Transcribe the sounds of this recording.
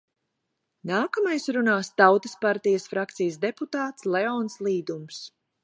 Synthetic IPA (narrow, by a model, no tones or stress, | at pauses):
naːkamajsɾunaːst̪awt̪ə̥spaɾt̪ijəsfɾakt̪sijəsd̪eput̪aːt̪slɛɔnslˠiːd̪ums